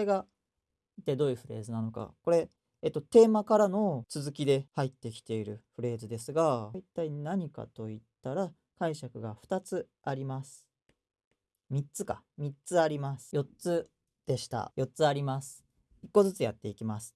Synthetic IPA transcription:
eɡa | it̪ːed̪o̞ːijɯ̟ɸɯ̟ɾe̞̰ːzɨnano̞ka̰ko̞ɾe̞ː | t̪ːo̞t̪e̞ːmakaɾano̞t͡sɨzɨkʲid̪e̞hait̪ːe̞kʲi̥t̪e̞iɾɯ̟ɸɯ̟ɾe̞ːzɨd̪e̞sɨɡait̪ːainaɲ̟ika̰t̪o̞it̪ːaɾa | kaiɕakɯ̟ɡaɸɯ̟̥t̪at͡sɨ | aɾʲimasɨ̥ | mʲitt͡sɨkamʲitt͡sɨaɾʲimasɨ̥jo̞tt͡sɨ | d̪̥e̞ɕi̥t̪a̰jo̞tt͡sɨaɾʲimasɨ̥ | ikːo̞zɨt͡sɨjat̪ːe̞ikʲimasɨ̥

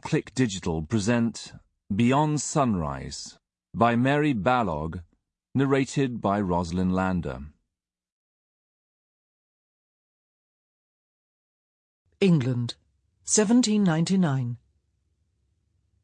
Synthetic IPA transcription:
kʰl̥ɪkd̥ɪd͡ʒɪtʰəl̩ˠpʰɹ̥ɪzɛ̃nts | b̥ɪɒ̃nd̥sʌ̃nɹa̰ɪz̥ | baɪmɛɹibalɔ̰ɡ | nəɹeɪtʰɪd̚baɪɹɒzlɪ̃nlæ̃ndə̰ | ɪ̃ŋɡlə̃nd̥ | sɛvə̃ntĩnːãɪ̃ntinãɪ̃n

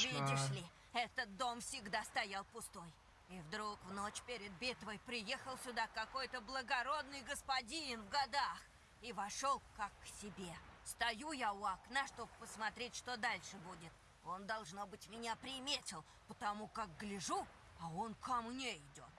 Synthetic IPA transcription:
vʲidʲɪʂlʲɪ | ɛt̪ət̪̚d̪o̞mfsʲɪɡd̪ast̪ɐjalˠpʊst̪o̞j | ivd̪ɾukvno̞t͡ɕpʲeɾʲɪd̪̚bʲet̪vəjpɾʲɪjexəlˠsʲʊd̪akɐko̞jt̪əblˠəɡɐɾo̞d̪nɨjɡəspɐdʲinvɡɐd̪ax | ivɐʂo̞lˠkakːsʲɪbʲe̞st̪ɐjujaʊaknaʂt̪obpəsmɐt̪ɾʲetʲʂt̪o̞d̪alʲʂɨbudʲɪt̪ | o̞nd̪ɐlˠʐno̞bɨtʲmʲɪnʲapɾʲɪmʲetʲɪlˠ | pət̪ɐmukak̚ɡlʲɪʐu | ɐo̞nkɐmnʲeɪdʲo̞t̪̚

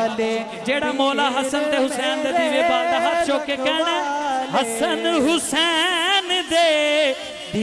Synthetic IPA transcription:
d͡ʒeːɽamoːlaɦɐsənt̪eːɦʊtsɛːnd̪et̪ʰiʋebaːd̪ɐɦat͡ʃoːkekɐnɦɐsənɦʊsɛnd̪eː

